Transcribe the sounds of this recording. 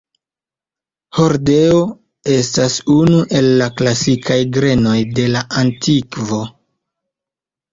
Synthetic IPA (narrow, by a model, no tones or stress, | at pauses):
ho̞ɾdeo | e̞stasunuʔe̞lːaklasikʰajɡɾe̞no̞jde̞laʔantʰikvo̞